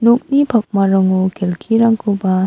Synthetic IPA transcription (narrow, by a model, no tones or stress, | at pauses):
nuk̚nipʰak̚maɾɔŋukʰelkʰiɾaŋkʰuba